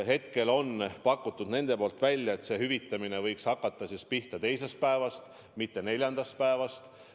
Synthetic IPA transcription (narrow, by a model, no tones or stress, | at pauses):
ɦe̞t̪ke̞lo̞npɑkːˑut̪ˑːud̪ne̞nd̪̥e̞po̞ːlt̪ˑvælʲːjɑe̞t̪se̞ɦyvit̪ːˑɑmine̞vɤjkshɑkːˑɑt̪ːˑɑsispiht̪ɑt̪e̞jse̞st̪̚pæe̞vɑst̪ | mit̪ːe̞ne̞lʲjɑnd̪̥ɑst̪̚pæe̞vɑst̪